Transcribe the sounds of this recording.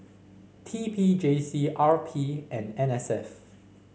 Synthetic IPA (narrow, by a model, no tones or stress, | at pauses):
tʰipʰid͡ʒesiʔaɹpʰiʔɛ̃nɛ̃nɛsɛf